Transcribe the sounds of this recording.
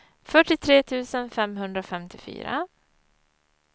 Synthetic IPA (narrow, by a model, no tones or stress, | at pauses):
fœʈːɪt̪ʰɾeːt̪ʰʉ̟ːsənfɛmɦɵnd̪ɾaofɛmt̪ɪfy̰ːɾa̰